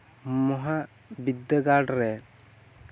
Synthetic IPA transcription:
mɔɦa | bid̪ːəɡaɾɖɾɛ

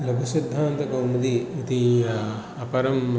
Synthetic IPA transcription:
lɐbʱɐsid̪ʱːaːnt̪ɐkɐmɐd̪iit̪i | ɐpɐɾɐm

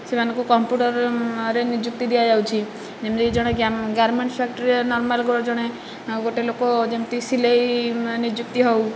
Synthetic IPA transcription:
semanɔŋkukɔmpjuʈɔɾɾenid͡ʒuk̚t̪id̪ijad͡ʒawt͡ʃʰi | d͡ʒemt̪id͡ʒɔɽ̃eɡaɡaɾmeɳʈpʰak̚ʈɔɾienɔɾmalɡɔɽd͡ʒɔɽ̃e | ɡoʈelokod͡ʒemt̪isilejnid͡ʒukt̪iɦɔw

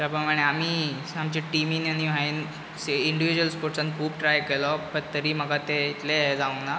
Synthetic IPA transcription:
t͡ɕapɾəmaɽ̃eam̤iː | amt͡ɕeʈiminaniʋ̤ʱain | seiɳɖiʋid͡ʑuəlspoɾʈsãnt̪̚kʰuːbʈɾajkelɔpəɾt̪əɾiːm̤əɡat̪eit̪leɦd͡zaʋuŋna

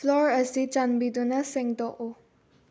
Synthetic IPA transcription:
flɔɹəsit͡ʃãnbidunasɛ̃ŋtɔʔo

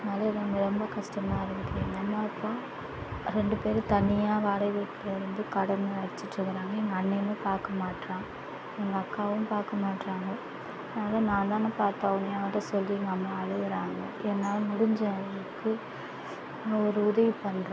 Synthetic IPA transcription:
ɐɐɯnaːlɐɪðɐnɐmːɐɾɔmbɐkɐʂʈɐmaːɪɾɯʋɐðɯlenːɐmːɐɐpːoː | ɾɛɳɖɯpeːɾɯt̪ɐnɪjaːʋaːɽɐɪʋeʈːɪlɪɾɯnd̪ɯkɐɽɐnɐɐɽɪt͡ʃːɪʈɾɯkːɪɾaːŋɡɐɛŋɡɐɐnːɛnɯ̃paːɾkɐmaːʈɾãː | ɛŋɡɐɐkːaːʋɯmpaːɾkɐmaːʈɾaːŋɡɐ | ðnaːlɐnãːnd̪aːnɐ̃paːɾt̪aːʋʊnɐjaːʋɐɾɐsɔlːinɡɐɐmːɐːɻɯɣɯɾaːŋɡɐ̰ʔɛnːaːlɐmʊɽʊɲd͡ʒɐɐʋɐɐɭɯkːɯ | ɐɔɾɯʊðɐʋipɐnːɾã

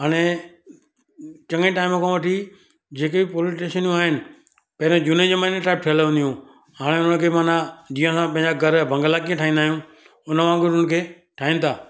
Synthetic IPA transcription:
ɦaːɽ̃e | t͡ɕɐ̃ŋẽʈaːɪmkʰãʋɐʈʰi | d͡ʑeːkebɪpoːlɪsʈeːʃənijũaːɦɪnɪ̆ | pɐɦɪɾẽd͡ʑuːned͡ʑemːneʈaːɪb̚ʈʰelːũnd̪ijũ | haːɽ̃eʊnənəkʰeːmaːnad͡ʑĩːãsãpɐ̃ɦɪ̃ɲd͡ʑaɡʱɐɾbʱɐ̃ŋɡəlak̬iə̃ʈʰaːĩnd̪aːɦijũ | ʊnəmãːɡʊənəkʰeː | ʈʰaːɦĩnɪ̆t̪ʰaː

